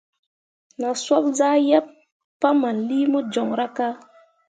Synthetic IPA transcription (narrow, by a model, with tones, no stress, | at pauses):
na˨swa˦bza˦ja˦p | pːa˦ma˨nli˦mu˦d͡ʒɔ˨ŋɾa˦ka˦